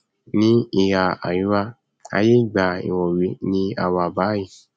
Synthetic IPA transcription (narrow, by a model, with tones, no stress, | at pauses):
nĩ˦i˧ja˧a̰˨ju˨˦wa˦ | a̰˧je˦˨ɡ͡ba˨ḭ˨wɔ˨wi˨˧˦nĩ˦a̰˧wa˧˨ba˨˦ji˨